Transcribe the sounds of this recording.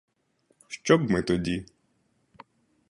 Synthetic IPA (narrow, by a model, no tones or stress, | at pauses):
ʃt͡ʃɔbmɪt̪ɔdʲi